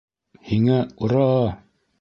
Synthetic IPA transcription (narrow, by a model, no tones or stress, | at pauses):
hiŋæuɾɑ